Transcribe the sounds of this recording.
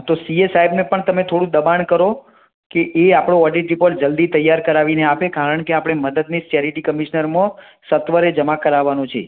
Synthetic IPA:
t̪osiesajbnepəɳt̪əmet̪ʰoɽũd̪əbankəɾo | keʔeapɽ̃õɔɖiʈipəɾd͡ʒəld̪it̪əjːaɾkəɾaʋineapekaɾəɳkeapɽ̃eməd̪əd̪nist͡ʃeɾiʈikəmiʃnəɾmə̃ | sət̪ʋəɾed͡ʒəmakəɾaʋːanũt͡ʃʰḛ

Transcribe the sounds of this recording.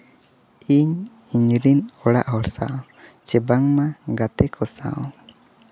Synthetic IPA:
iɲ | iɲɾinɔɽa̰ʔɦɔɽsaʔɔ | t͡ʃɛbaŋmaɡat̪ɛkʰɔsa̰ɔ̰̃

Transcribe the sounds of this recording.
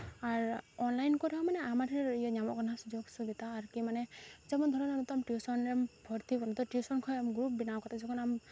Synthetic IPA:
aɹɔnlajnkɔɾiɔmanɛamatʰiɾiɔɲamɔkɔnasud͡ʒjoɡsuɡit̪aːɹkimanɛzɛmɔnd̪ʱɔɾɔnamɔt̪ɔamʈiusɔnɾɛmbʱɔɹt̪ibɔnɔt̪ɔʈjusɔnkʰɔjamɡɾup̚binawkɔt̪ʰazɔkʰɔnam

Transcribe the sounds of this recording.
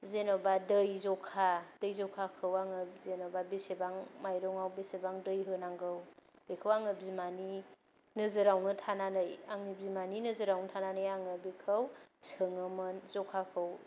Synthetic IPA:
zenɔbadɯjzɔkʰad̥ɯjzɔkʰakʰɯwaŋɯpzenɔbabesebaŋmajɾɔŋawbesebaŋdɯjɦɯnaŋɡɯwb̥ekʰɯwaŋɯbzimani | nɯzɯɾawnɯtʰananɯjaŋnibzimaninɯzɯɾawnɯtʰananɯjaŋɯbikʰəwsɯŋɯmɯnzɔkʰakʰɯw

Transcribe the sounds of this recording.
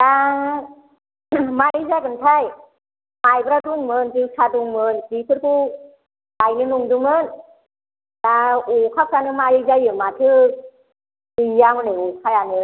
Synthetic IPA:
ta | malizakɯnt̪ʰaj | majbɾaduŋmɯntɯsʰaduŋmɯnsipʰɯɾ̚kʰu | tajnɯnuŋdumɯn | taukʰaw̚sanɯmalizajɯmat̪ʰɯ | tijamɯnaukʰajanɯ

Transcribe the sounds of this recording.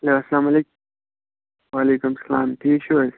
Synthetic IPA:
leaslaːmɐlek | waːleːkumsɐlaːmʈʰiːkʃo

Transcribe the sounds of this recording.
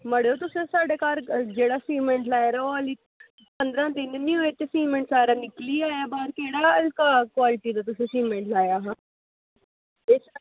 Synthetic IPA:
məɽoːt̪ʊsẽːsaːɖeːkaːɾd͡ʒeːɽaːsiːmẽːɳʈlaːeɾoəliː | pənd̪ɾãːd̪ɪnnĩːɦoːeːt̪eːsiːmẽːɳʈsaːɾaːnɪkliːaːjaːbaːɾkeːɽaːəlkaːkwaːlɪʈiːd̪aːt̪ʊsẽːsiːmẽːɳʈlaːjaːɦãː | es

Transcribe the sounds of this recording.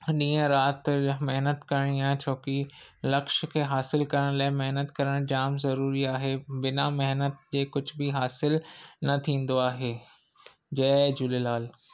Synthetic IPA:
ɗĩːə̃ɾaːt̪meɦnət̪kɐɾəɽ̃iaːɦẽt͡ɕʰoːkilɐkʃkʰeːɦaːsɪlkɐɾəɽ̃laːɪmɪɦnət̪kɐɾəɽ̃d͡ʑaːmzɐɾuːɾiaːɦeːbɪnamɛɦnət̪̚d͡ʑeːkʊd͡ʑʱbɪɦaːsɪlnɐt̪ʰĩːn̆d̪oaːɦeː | d͡ʑɐːd͡ʑʊlelaːl

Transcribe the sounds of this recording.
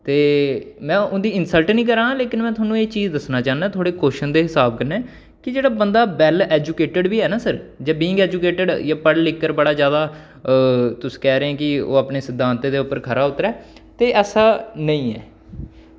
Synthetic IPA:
t̪eː | mɛ̃ːʊnd̪iːɪnsəlʈnĩːk̬əɾãːleːkɪnmɛ̃ːt̪ʰʊaːnːũːeːt͡ʃiːzd̪əsnaːt͡ʃaːnɛːt̪ʰoːɽeːkoːʃənd̪eːɦɪsaːb̚kəɾnɛː | kɪd͡ʒeːɽaːbənd̪aːbɛːlɛːd͡ʒukeːʈəɖbiːɛːnaːsəɾd͡ʒaːbiːŋɡɛːd͡ʒukeːʈəɖjaːpəɽlɪkːəɾbəɽaːzjaːd̪aː | t̪ʊsĩ̥ːkɛːɾeːãːkɪo̰ːaːpneːsɪd̪ʱːãːnt̪eːd̪eːʊpːəɾkʰəɾaːʊt̪ːɾɛːt̪eːʔɛːsaːnəĩːɛ̰ː

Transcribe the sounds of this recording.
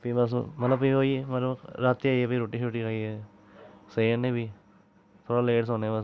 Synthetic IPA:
piːbəsmət̪ləbiːɦoːimət̪ləbɾaːt̪ːiaːiːeːpiːɾoːʈiːʃuːʈiːkaːieː | seːənːẽːbiː | t̪ʰoːɽaːleːʈsoːneːbəs

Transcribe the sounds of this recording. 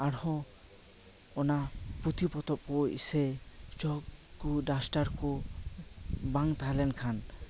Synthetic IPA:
aɽhɔ̃ | ɔnaput̪ʰipɔt̪ɔp̚kɔḭset͡ʃɔk | kuɖasʈaɾku | baŋt̪aɦlɛnkʰan

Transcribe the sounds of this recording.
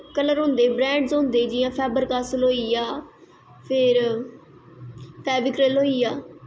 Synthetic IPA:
kələɾɦõːnd̪eːbɾɛ̃ːɳɖzɦõːnd̪eːd͡ʒɪjãːpʰɛːbəɾkaːsəloːiːaː | pʰɪɾ | pʰɛːʋɪkɾelɦoːiːjaː

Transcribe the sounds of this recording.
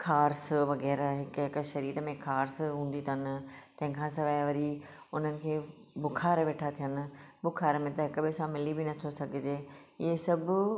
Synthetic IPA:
kʰaːɾsʋɐɣɛːɾɦɪkɦɪkʃɐɾiːɾəmẽkʰaːɾsɦũːn̆d̪it̪ʰɐnɪ̆t̪ɐ̃ɦɪ̃kʰãːsɐʋaːʋɐɾi | ʊn̤ənɪ̆kʰeːbʊkʰaːɾʋeːʈʰat̪ʰijənɪ̆bʊkʰaːɾmẽt̪ɐɪkɐbʱɪsãmɪlibinɐt̪ʰosɐɡʱɪd͡ʑeːɪesɐbʱʊ

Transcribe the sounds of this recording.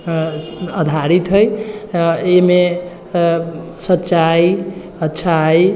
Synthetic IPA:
əd̪ʱaɾit̪ɦəj | eme | sətːt͡ʃaj | ətːt͡ʃʰaj

